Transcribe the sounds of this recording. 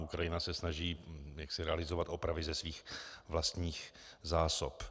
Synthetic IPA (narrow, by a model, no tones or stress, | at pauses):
ʔukɾajɪnasɛsnaʒiːjaksɪɾɛalɪzovat̪ʔo̞pɾavɪzɛsviːxvlast̪ɲiːx | zaːsop